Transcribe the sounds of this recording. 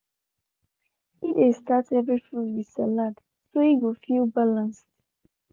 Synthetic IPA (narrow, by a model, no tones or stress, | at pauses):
idestatɛvɹifutwisɛlad | soiɡofilbalãnst